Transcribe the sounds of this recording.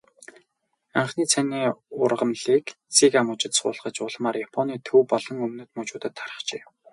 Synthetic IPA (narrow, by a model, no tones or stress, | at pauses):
aɴχniːt͡sʰæniːʊrʁə̆mɮiːk | t͡sikamʊt͡ɕɪ̆t̪sʊ̰ːɮχə̆t͡ɕʊɮmaːrjapʰɔniːt̪ʰɵwpɔɮɞ̆ŋɵmnɵ̆ːt̪mɵt͡ɕʊːt̪ə̆t̪ʰːaɾə̥̆χt͡ɕeː